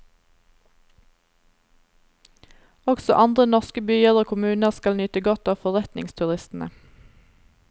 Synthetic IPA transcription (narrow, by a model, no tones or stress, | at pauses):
ɔɡsɔ̰ʔɑnd̪ʁənɔʁskəbyːəʁoːkʰʊmʉːnəʁskɑlnʏːt̪əɡɔt̪ɑːfɔʁɛt̪nɪ̰ŋst̪ʰʉʁɪst̪n̩ə̰